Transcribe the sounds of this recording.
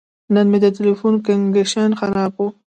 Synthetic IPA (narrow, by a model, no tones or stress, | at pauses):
nənmed̪ətɪlifunkaŋɡeʃɑnxaɾɑbu